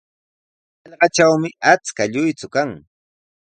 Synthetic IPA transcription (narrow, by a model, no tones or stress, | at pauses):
ɑʎɢɑt͡ʃawmɪat͡skaʎʊjt͡sʊkaŋ